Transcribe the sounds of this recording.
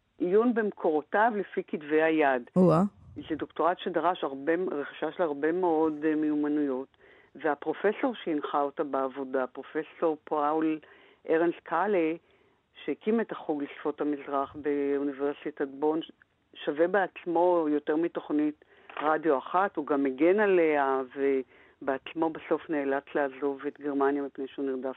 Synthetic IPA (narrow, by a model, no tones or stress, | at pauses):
ʔijunbemkʰo̞ʁotavlefikitvejajadazedokto̞ʁatʃedaʁaʃaʁbeʁeχi̥ʃaʃelaʁbe̞meo̞dmejumanujo̞t | veapʁo̞fe̞so̞ʁʃeinχaotabeːvo̞dapʁo̞fe̞so̞ʁpawl | ʔeʁenskʰale | ʃekimetaχuɡlisfo̞thamizʁaχbeuniveʁsithadbo̞n | ʃavebeat͡smo̞jo̞teʁmito̞χnit | ʁadjo̞aχathuɡameɡenaleave | beat͡smo̞beso̞fneːlat͡slaːzo̞vetɡe̞ʁmanjamipnejʃeuniʁdav